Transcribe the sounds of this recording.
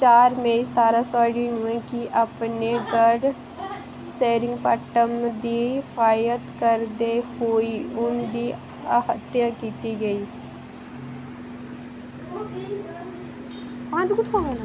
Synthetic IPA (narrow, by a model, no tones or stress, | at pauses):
t͡ʃaːɾmẽːst̪aːɾãːsaːɽiːnũːẽːkɪʔapneːɡəɖ | seːɾɪŋɡpəʈəmd̪iːpʰaːjət̪kəɾd̪eːhoːiːʊnd̪iː | əhət̪ːjãːkiːt̪iːɡəiː | pãːd̪kʊt̪koʋẽːna